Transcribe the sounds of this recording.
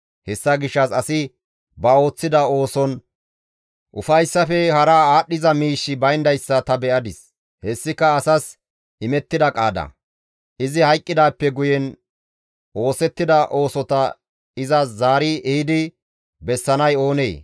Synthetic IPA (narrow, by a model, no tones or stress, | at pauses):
hɛsːɐɡɪʃːɐsɐsɪ | bɐo̞ːt͡sːɪd̪ɐo̞ːsɔn | ʔʊfɐjsːɐfɛhɐɾaːaːɗːɪzɐmiːʃːɪbɐjnd̪ɐjsːɐt̪ɐbɛʔɐd̪ɪs | hɛsːɪkːɐɐsɐs | ʔɪmɛt̪ːɪd̪ɐkʼaːd̪ɐ̰ | ʔɪzɪhɐjkʼːɪd̪aːpːɛɡʊjɛn | ʔo̞ːsɛt̪ːɪd̪ɐʔo̞ːsɔt̪ɐ | ɪzɐzaːɾɪɛhɪd̪ɪ | bɛsːɐnɐjo̞ːnḛː